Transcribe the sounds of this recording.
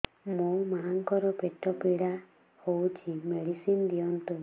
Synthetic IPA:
mũmaɦːŋkɔɾɔpeʈɔpiɽa | howt͡ʃʰimeɽisind̪ijɔnt̪u

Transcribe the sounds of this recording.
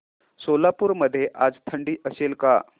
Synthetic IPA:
solapuːɾməd̪ʱːjeʔad͡zt̪ʰəɳɖiːʔəselka̰

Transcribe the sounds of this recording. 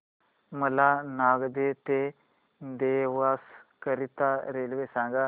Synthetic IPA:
məlanaɡd̪et̪e | d̪eʋaskəɾit̪aɾelʋesãŋɡa

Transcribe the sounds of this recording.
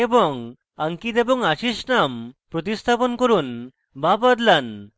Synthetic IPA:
ebɔŋ | aŋkit̪ebɔŋaɕisnampɾot̪̬ist̪ʰapɔnkɔɾuːn | babad̪lan

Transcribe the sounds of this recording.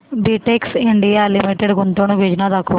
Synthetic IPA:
biʈeksiɳɖijalimiʈeɖkunt̪onubʱed͡ʒnad̪ɐkːu

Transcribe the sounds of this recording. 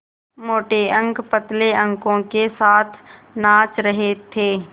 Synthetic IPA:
moːʈeə̃ŋkpət̪leə̃ŋkõkesaːt̪ʰnãːt͡ʃɾəɦet̪ʰeː

